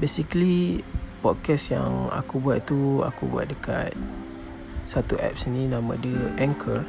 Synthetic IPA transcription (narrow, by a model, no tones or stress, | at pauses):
besiklipɔt̪̚kɛsja̰ŋa̰kubuat̪̚t̪ua̰kubua̰t̪̚dəka̰t̪̚ | sat̪uʔɛ̰p̚səninãmã̰dəʔɛ̃ŋkʰə